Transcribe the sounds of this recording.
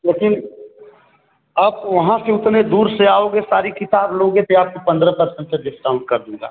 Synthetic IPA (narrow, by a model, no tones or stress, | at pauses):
leːkɪn | aːp̚ʋɐɦãseʊt̪ned̪uːɾseaːoːɡesaːɾikɪt̪aːbloːɡet̪eaːp̚kopɐ̃nd̪ɾəpɐɾsə̃ɳʈ̚seɖɪsʈaːʊʈ̚kɐɾd̪ũːɡa̰ː